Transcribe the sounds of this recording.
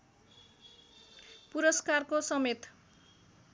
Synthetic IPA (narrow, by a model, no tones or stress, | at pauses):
puɾʌskarkosʌmet̪